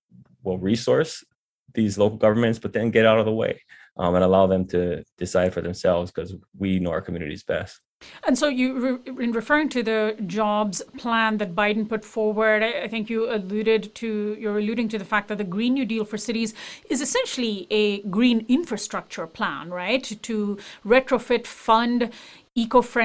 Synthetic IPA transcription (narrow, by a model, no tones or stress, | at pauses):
wɛlˠɹisɔɹs | ðizloʊkl̩ˠɡʌvə˞mɨ̃ntsb̥ʌt̪̚ðɨ̃nɡɛɾaʊɾʌvðəwḛɪ | ʔə̃ñəlaʊðɨ̃mtʰɨd̥ɨsaɪd̥fə˞ðɨ̃msɛlˠvz̥kʰʌzwinoʊa̰ʊə˞kʰmjʉnɨ̰ɾḭzbɛ̰st̚ | ɨ̃nsoʊjɨɪ̃nɹɨfɜ˞ɹɪ̃ŋtʰɨðɨd͡ʒɑbz̥pʰl̥æ̃nðɨt̚baɪdⁿn̩pʊtfɔɹwə˞daɪθɪ̃ŋkjɨəlʉɾɪdtʰɨjə˞ɨlʉːɾɪ̃ŋtɨðəfæk̚ðɨt̪̚ðɨɡɹĩnjʉdilˠfə˞sɪɾizɨzɨsɛ̃nʃl̩ˠiɨɡɹĩnɪ̃ɱfɹɨstɹ̥ʌk̚t͡ʃə˞pʰl̥æ̰̃nɹaɪtʰːuɹɛtɹofɪtfʌ̃nd | ikofɹɛ̃